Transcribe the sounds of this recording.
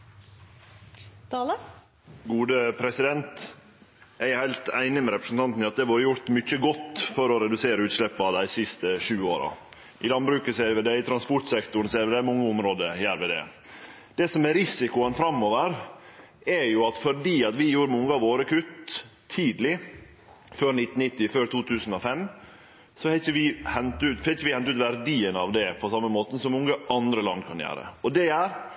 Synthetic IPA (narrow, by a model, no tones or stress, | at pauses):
t̪ɑːlə | ɡuːd̪əpʰɾɛsɪd̪ɛnt̪ | æɪhæɪlt̪æɪnɪmɛɾɛpɾəsn̩t̪ʰɑnt̪nɑt̪̚d̪ɛʋuːɾəjʊɾt̪mʏçəɡɔt̪ːfɔɾɔɾɛd̪ʉseːɾəʉːt̪ʂlɛpːɑd̪æɪsɪst̪əʂʉːoːɾɑ̰ | ʔɪlɑnbɾʉːkəseʋɛd̪ɛɪt̪ʰɾɑnspɔʈsɛkt̪ʊn̩seːɾʋɛd̪æmɔŋːəʊmɾoːd̪əjæːɾʋɛd̪ɛ̰ | d̪̥ɛsɔmæɾɪsɪkʊənfɾɑmːoːʋəɾ | æɾjʊɑt̪fɔɖiːɑt̪ʋɪjuːɾəmɔŋːəɑʋoːɾəkʰʉt̪ʰː | iːd̪lɪ | føːɾnɪt̪ːn̩nɪt̪ːɪføːɾt̪ʰuːt̪ʰʉːsn̩ɔfɛm | sɔhɛçəʋɪhɛnt̪ʉːt̪fɛçəʋɪhɛnt̪ʉːt̪ʋæɾd̪iːənəɑʋd̪ɛpʰɔsɑmːəmoːt̪ən̩sɔmmɔŋːəʔɑnd̪ɾəlɑ̰nd̪kʰɑnjæ̰ːɾə̰ɔd̪ɛjæːɾ